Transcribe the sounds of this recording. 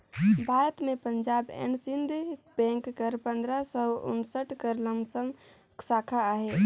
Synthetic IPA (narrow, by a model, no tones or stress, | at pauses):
bʱaɾət̪mepəɲd͡ʒabḛnsind̪ʱpɛ̃ŋkːəɾpənd̪ɾasəṵnsəʈkəɾləmsəm | sakʰaaɦe